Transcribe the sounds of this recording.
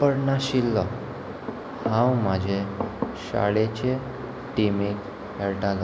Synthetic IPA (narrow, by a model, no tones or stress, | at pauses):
pəɽnaɕilːɔ | hãwmad͡ʑʱeɕa̰ɭet͡ɕe | ʈimek | ɛɽʈala